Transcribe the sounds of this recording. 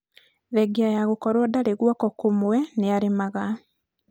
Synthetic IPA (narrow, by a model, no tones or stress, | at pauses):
ðɛɡiajaɣokɔɾwɔdaɾeɣwɔkɔkomwɛneaɾemaɣa